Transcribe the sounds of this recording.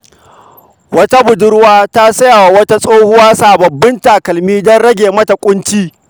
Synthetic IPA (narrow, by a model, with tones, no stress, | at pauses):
wɐ˦ta˦bʊ˨dʊ˦ɽwaː˦ta˦sɐ˦ja˨wa˨wɐ˦ta˦sʼoː˦hʊ˦waː˦saː˨bɐ˨bːɪ˦nta˨kɐ˨lmiː˦dɔ˦nɽɐ˦ɡʲeː˨mɐ˦ta˨kʷʼʊ˦nt͡ʃiː˦